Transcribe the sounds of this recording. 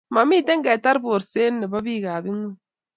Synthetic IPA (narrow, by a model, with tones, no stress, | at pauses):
ma˨miː˦˨t̪e˦ŋɡa˨t̪a˦ɾbo˨ɾse˦nːe˨ba˦biː˦ɣaː˨βi˦ŋu˦